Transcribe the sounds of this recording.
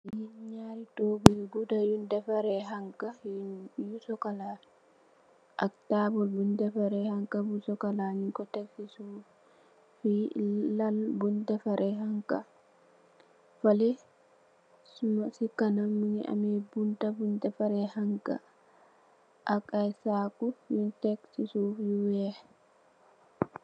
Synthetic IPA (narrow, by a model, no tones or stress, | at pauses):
jiɲaɾitɔbɛɡudajundafaɾɛɦaŋka | jusɔkala | ʔa̰ktabɔlbundafaɾɛhaŋkabusɔkalaɲikɔtafisu | fialbundafaɾʔɛɦaŋka | falɛ | sumasikanamːuniʔa̰mɛbuntabundɛfaɾɛhaŋka̰ | ʔakajsakujuntɛksisufjuwɛ